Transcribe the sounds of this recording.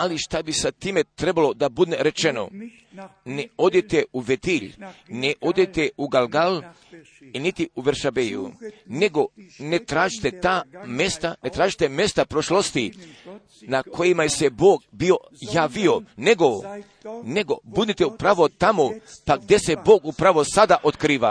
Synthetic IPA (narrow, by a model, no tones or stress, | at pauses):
aliʃt̪abisat̪iːmet̪ɾebalo̞d̪abud̪neɾe̞t͡ʃeno̞̰ | neod̪et̪euʋet̪iʎneʔo̞d̪et̪euɡalɡal | init̪iuʋeɾʃabejṵneɡo̞net̪ɾaːʒit̪et̪aːmest̪anet̪ɾaːʒit̪eme̞st̪apɾoʃlost̪i | nakʰo̞jimajeseboːɡbio̞ | jaːʋio̞ne̞ɡo | neɡo̞bud̪nit̪eupɾaʋot̪amopaɡ̚d̪jese̞bo̞ːɡupɾaʋo̞sad̪aʔot̪kɾiːʋa̰